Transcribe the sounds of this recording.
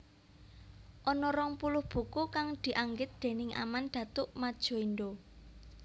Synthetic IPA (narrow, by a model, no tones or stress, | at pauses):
ʔɔnɔɾɔŋpulʊhb̥ṳkukaŋd̪̥i̤ʔaŋɡɪt̪̚d̪̥e̤nɪŋʔa̰mand̪̥ä̤t̪ʊʔmad̥ʒ̥o̤ind̪o